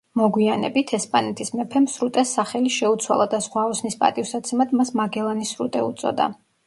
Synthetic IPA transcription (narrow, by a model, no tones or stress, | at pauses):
mɔɡwianɛ̰bit̪ʰɛspʼanɛt̪ʰismɛpʰɛmsɾut̪ʼɛsːaχɛliʃɛut̪sʰwa̰lˠad̪asʁwaɔsnispʼa̰t̪ʼifsat̪sʰɛmad̪masmaɡɛlˠanisɾut̪ʼɛut̪sʼɔ̰d̪a̰